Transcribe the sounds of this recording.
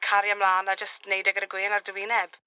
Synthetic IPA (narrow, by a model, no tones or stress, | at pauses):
kʰaɾjamlˠaːnad͡ʒəstnejdɛɡəɾəɡwɪənardəwɪnɛb̥